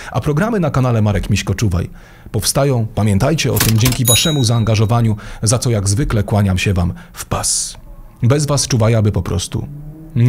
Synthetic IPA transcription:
ʔapɾɔɡɾamɘnakanalɛmaɾɛkmʲiɕkɔt͡ʂuva̰j | pɔfst̪ajɔ̃w̃pamʲjɛnt̪ajt͡ɕɛɔt̪ɘmd͡ʑɛŋkʲivaʂɛmuzaːŋɡaʐɔvaɲuzat̪sɔjaɡzvɘklɛkwaɲamɕɛvamfpas | bɛzvast͡ʂuvajabɘpɔpɾɔ̰st̪ṵ | ɲ

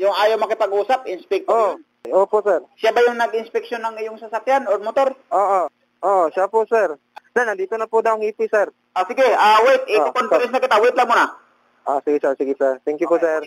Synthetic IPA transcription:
jʊŋʔaːjawmɐkɪpɐɡuːsap̚ɪnspɛk̚t̪oon | ʔoːpoʔsɛɾsjabajʊŋnɐɡɪnspɛkʃjonːɐŋɪjʊŋsɐsakjanoɾmot̪o̞ɾʔoːʔo | ʔoʔʃapʊʔsɛɾ | sɛnɐnd̪iːt̪onɐpʊd̪awŋhipɪsɛɾ | asɪɡɪawɛt̪̚ʔɪkonpɾɛs̬nakɪt̪awɛt̪laŋmʊna | ʔosɪɡɪsɛɹsɪɡɪsɛɹt̪ɛŋkjʊposɛ

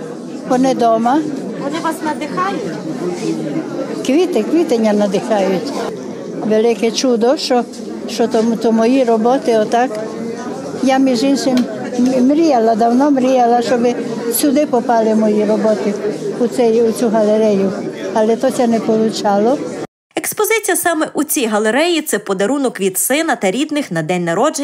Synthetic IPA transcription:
pɔned̪ɔmɐ | kɔɪasnɐd̪ɪxajʊ | kʋʲit̪ɪkʋʲit̪eɲʲːɐnɐd̪ɪxajʊtʲ | ʋelɪkɛt͡ʃud̪ɔʃt͡ʃɔ | ʃɔt̪ɔmt̪ɔmɔjiɾɔbɔt̪ɪɔt̪ak | jamiʒinʃɪm | mɾʲijɐlˠɐd̪ɐwnɔmɾʲijɐlˠɐʃt͡ʃɔbɪsʲʊd̪ɪpɔpɑlˠɪmɔjiɾɔbɔt̪ɪʊsɛjʊt͡sʲuɦɐlˠeɾɛjʊɐlˠɛt̪ɔsʲɛnɛpɔlˠʊt͡ʃɑlˠɔ | ekspɔzɪt͡sʲijɐsɑmɛʔut͡sʲijɦɐlˠeɾɛjit̪sɛpɔd̪ɐɾunɔkʋʲid̪sɪnɐt̪ɐɾʲid̪nɪxnɐd̪ɛnʲnɐɾɔd͡ʒe

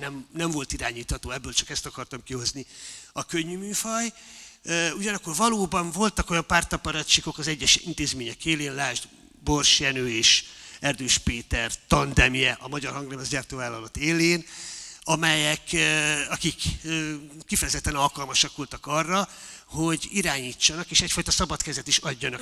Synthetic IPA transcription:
nɛmnɛɱvo̞lt̪iɾaːɲiːt̪hɒt̪oːɛbːøːlt͡ʃɒkɛst̪ɒkɒrt̪ɒmkiɦo̞zniɒkøɲːymyːfɒj | uɟɒnɒkːo̞rvɒloːbɒɱvo̞lt̪ɒko̞jɒmpaːrt̪ɒpɒɾɒt͡ʃiko̞kɒzɛɟːɛʃint̪eːzmeːɲɛkeːleːnlaːʒd̪ | bo̞rʃjɛnøːeːʃɛrd̪øːʃpeːt̪ɛrt̪ɒnd̪ɛmjɛʔɒmɒɟɒrhɒŋɡlɛmɒzɟaːrt̪oːvaːlːɒlot̪eːleːnɒmɛjɛkɒkikøːifɛjɛzɛt̪ːɛnɒlkɒlmɒʃɒkʋo̞lt̪ɒkɒrːɒ | ho̞ɟiɾaːɲiːt͡ʃːɒnɒkeːʃɛcfɒjt̪ɒsɒbɒt̪kɛzɛt̪iʃɒɟːɒnɒ

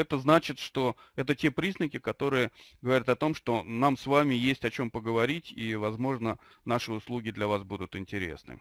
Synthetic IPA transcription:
ɛt̪əznat͡ɕɪt̪ʂt̪o̞ | ɛt̪ətʲe̞pɾʲiznəkʲɪkɐt̪o̞ɾɨjəɡəvɐɾʲat̪ɐt̪o̞mʂt̪o̞namsvamʲɪjesʲtʲɐt͡ɕo̞mpəɡəvɐɾʲitʲivɐzmo̞ʐnə | naʂɨʊslˠuɡʲɪd̪lʲɐvasbud̪ʊt̪ɪnʲtʲɪɾʲḛsnɨ̰

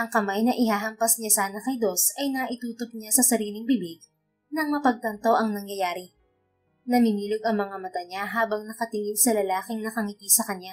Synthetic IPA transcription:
ʔɐŋkɐmajnɐʔɪhaːɦɐmpɐsɲasaːnɐkɐjd̪o̞sʔɐjnɐʔɪt̪uːt̪op̚ɲasɐsɐɾiːlɪŋbɪbɪɡ̚ | nɐŋmɐpɐɡ̚t̪ɐnt̪o̞ʔɐŋnɐŋjɐjaːɾɪ | nɐmimiːloɡɐŋmɐŋamɐt̪aɲaɦaːbɐŋnɐkɐt̪ɪŋɪlsɐlɐlaːkɪŋnɐkɐŋɪk̪isɐkɐɲja

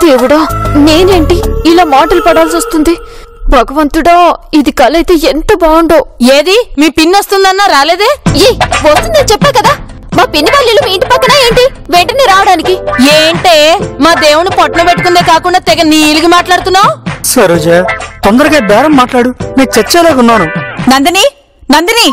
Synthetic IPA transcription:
d̪eːʋuɽaːne̞ːne̞ːɳʈiilaːmaːʈɐlpɐɽaːls̬ost̪und̪i | bʱɐɡɐʋɐnt̪uɽaːid̪ikɐlɐjt̪e̞ːent̪ɐbaːɳɖoːeːd̪imiːpinːɐst̪und̪ɐnːaːɾaːle̞ːd̪eːjeʋɐst̪und̪ɐnt͡ʃɛpːaːkɐd̪aː | maːpinːibaːlːilːɐmiːɳʈipɐkːɐnaːe̞ːɳʈiʋeɳʈɐniɾaːʋɐɽaːnikieːɳʈeːmaːd̪eːwunupɐʈɐnɐpeʈːukund̪eːkaːkuɳɖaːt̪ɛɡɐniːluɡimaːʈlaːɽt̪unːaːsɐɾoːd͡ʒaːt̪ɔnd̪ɐɾɐɡeːbɛːɾɐmːaːʈlaːɽuneːnt͡ʃet͡ʃːeːleːkunːaːnunɐnd̪ini | nɐnd̪ini

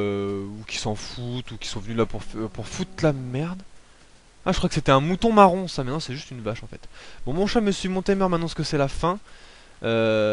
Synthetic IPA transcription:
ukʲi̥sɑ̃fut̪ukʲi̥sɔ̃vənylapuʁfpuʁfut̪lamɛʁd̪ | aʒəkχwakəset̪ɛɛ̃mut̪ɔ̃maʁɔ̃samɛt̪nɑ̃sɛʒyst̪ynvaʃɑ̃fɛ̰t̪bɔ̃mɔ̃ʃɛməsɥimɔ̃t̪emɛʁmɛ̃t̪nɑ̃sə̥kəsɛlafɛ̃ | ø

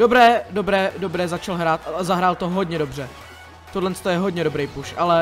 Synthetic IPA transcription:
dobɾɛːdobɾɛːdo̞bɾɛːzat͡ʃalɦɾaːt̪aazaɦɾaːlt̪oɦo̞dɲɛdo̞br̝ɛ | t̪odlɛnst̪ojɛɦodɲɛdobɾejpuʃʔalɛ

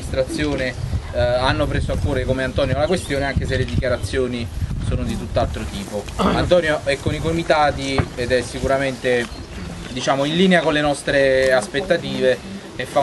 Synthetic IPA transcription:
ist̪ɾat̪sːjoːne | anːopɾeːsoakːoːɾekomeant̪ɔːnjolakwest̪joːneaŋk̟eseled̪ikjaɾat̪sːjoːnisoːnod̪it̪ut̪ːalt̪ɾot̪iːpoant̪ɔnjoɛkːonikomit̪aːt̪ied̪ɛsːikuɾament̪e | d̪it͡ʃaːmoinliːneakonlenɔst̪ɾeaspet̪ːat̪iːveː | fːa

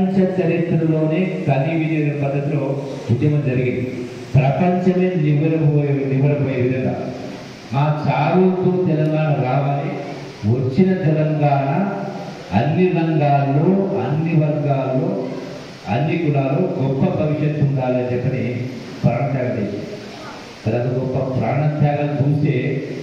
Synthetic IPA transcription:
ɲt͡ʃɐt͡ʃɐɾit̪ɾɐlo̞ːneːkɐnːiʋidiɾɐpɐd̪ːɐt̪loud̪jɐmɐmd͡ʒɐɾiɡind̪i | pɾɐpɐɲt͡ʃɐmeːniʋɐɾipojniʋɐɾipoːjeʋid̪ɐŋɾa̰ː | maːt͡ʃaːɾuk̪uːt̪ɛlɐŋɡaːnɐɾaːʋɐni | ʋɐt͡ʃːinɐd̪ɐlɐŋɡaːɳa | ɐnːiɾɐŋɡaːlːo̞ːɐnːiʋɐɾɡaːloː | ɐnːiɡunaːloːɡɔpːɐbʱɐʋiʂjɐnt̪uɳɖaːled͡ʒɐkːɐni | pɾaːɳɐt̪aːɡɐtejt͡ʃː | t̪ɐɾɐt̪ɐɡɔpːɐpɾaːɳɐt̪ʰjaːɡɐnt͡ʃuːseː

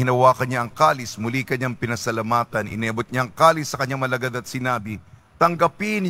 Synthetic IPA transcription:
ɪnɐwaːkɐnɲaʔɐŋkaːlɪsmʊlikɐɲaŋpɪnɐsɐlɐmaːt̪ɐnɪ̰nɛbot̪̚ɲaɐŋkaːlɪsːɐkɐɲːaŋmɐlɐɡad̪ɐt̪sɪnaːbɪ | t̪ɐŋɡɐpin

